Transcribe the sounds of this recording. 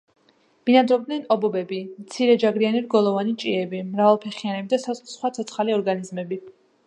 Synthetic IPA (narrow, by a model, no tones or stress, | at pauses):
minad̪ɾɔb̚d̪nɛnɔbɔbɛbimt̪sʰiɾɛd͡ʒaɡɾianiɾɡɔlˠɔvanit͡ʃʼiɛbimɾavalˠpʰɛχianɛbid̪asasχwat̪sʰɔt̪sʰχaliɔɾɡanizmɛbi